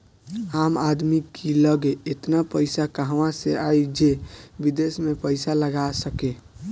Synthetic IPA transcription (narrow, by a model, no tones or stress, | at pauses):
amad̪mikiləɡeːt̪napəɪsakəɦʋãseajd͡ʒebid̪esmepəɪsaləɡasəke